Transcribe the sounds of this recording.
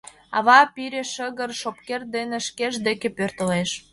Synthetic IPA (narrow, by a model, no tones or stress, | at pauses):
ɑβɑpiɾʲeʃəɣə̆rʃopkerd̪enĕʃkeʒd̪ekepørt̪ə̆leʃ